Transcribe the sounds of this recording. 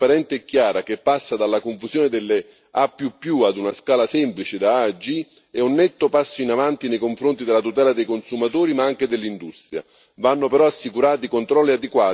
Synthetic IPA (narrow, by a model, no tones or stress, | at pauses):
aɾɛnt̪ɪɛkːjaːɾak̟epːasːad̪alːakoɱfuzjɔːnɪd̪ɪlːɪ | apːjupːjuad̪unaskaːlasɛmplit͡ʃɪd̪aad͡ʒi | ɛunːɛt̪ːʊpasːoinavant̪inejkoɱfɾont̪id̪elːat̪ut̪ɛːlad̪ejkonsumat̪uːɾimaaŋk̟ed̪elːind̪ust̪ɾja̰ | vanːʊpeɾɔasːikuɾaːt̪ikont̪ɾɔlːiad̪ekwaː